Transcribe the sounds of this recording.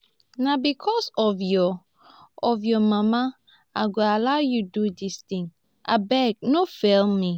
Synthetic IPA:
nabikʰɔsɔvjɔː | vjɔmama | aɡoalaʊjududistĩŋ | ʔa̰bɛɡ̚nofɛlmi

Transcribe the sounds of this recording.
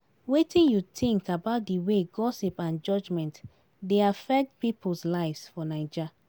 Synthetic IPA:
wetĩnjutĩŋkabaʊt̚diweɡɔsipãnd͡ʒɔd͡ʒmɛ̃nt | deafɛk̚t̚pipʰl̩slaɪvsfɔnaɪd͡ʒa

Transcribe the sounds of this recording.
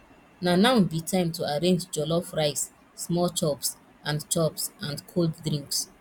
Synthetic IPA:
nanabitʰãɪ̃mtuaɹẽnd͡ʒd͡ʒɔlɔfɹaɪsː | mɔlt͡ʃɔps | ʔãndt͡ʃɔpsãndkʰolddɹĩŋks

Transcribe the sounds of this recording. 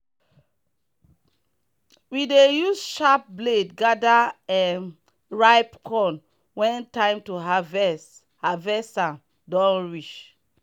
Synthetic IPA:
widejusʃap̚bledɡadaɛ | ɹaɪpkʰɔ̃n | wɛ̃ntãɪ̃mtuɦavɛs | havɛsãn | dɔ̃nɹit͡ʃ

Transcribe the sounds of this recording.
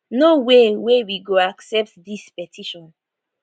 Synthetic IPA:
nowewewiɡoaksɛp̚tdispɛtʰiʃɔ̃n

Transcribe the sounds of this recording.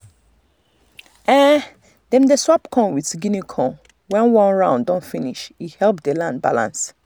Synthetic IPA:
ɛ̃ | dɛ̃mdeswapkʰɔ̃nwiθɡinikʰɔ̃n | wɛ̃nwɔ̃nɹãʊ̃ndɔ̃nfĩniʃihɛlp̚delãnd̚ba̰lã̰ns

